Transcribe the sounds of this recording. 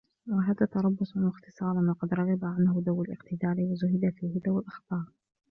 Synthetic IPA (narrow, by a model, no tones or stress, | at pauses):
waɦaːðaːt̪ɑɾˤɑbːʊsˤanwɑxt̪ɨ̥sˤɑːɾˤɑnwɑqɑd̪ɾˤɑɣɑbaʕanhʊd̪awalʔɪqt̪ɪd̪aːliwazʊhɪd̪afiːhɪd̪awalʔɑxbɑːɾˤ